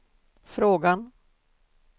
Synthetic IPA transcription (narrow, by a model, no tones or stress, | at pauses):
fɾoːɡan